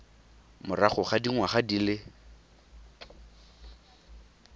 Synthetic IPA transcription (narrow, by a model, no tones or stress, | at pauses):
mʊraχʊχadiŋwaχadilɪ